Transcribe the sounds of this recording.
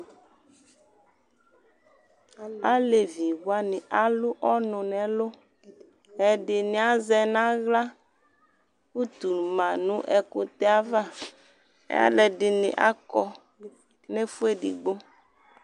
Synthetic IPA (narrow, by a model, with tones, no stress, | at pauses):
a˦le˨vi˨wwa˦nɪ̃˨ʔa˨lu˦ʔɔ˦nʊ̃˨nɛ̃˨lo˦ | ɛ˨ɖɪ˨nĩ˨˦a˦zɛ˦nã˦ɣla˦ | ku˦t̪u˨lmã˨nũ˦ʔɛ˨ko˦t̪ɛ˦a˦va˦˨ | ḛ˦a̰˦lɛ˨ɖɪ˨nɪ̰̃˨ʔa˦kɔ˦ | nẽ˦fu˦e˦ɖḭ˨ɡ͡bo˦